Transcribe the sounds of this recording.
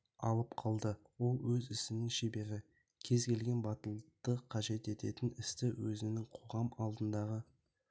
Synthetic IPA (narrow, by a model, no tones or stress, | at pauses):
ɑ̰lˠəpqʰɑlˠd̪əwo̞lˠwɵzɪsɪnɪŋʃe̞be̞ɾɪ | kʲʰe̞zkʲe̞lɡʲe̞nbɑt̪əlˠt̪əqʰɑʒe̞t̪e̞t̪e̞t̪ɪnɪst̪ɪwɵzɪnɪŋqʰo̞ʁɑmɑlˠd̪ənd̪ɑʁə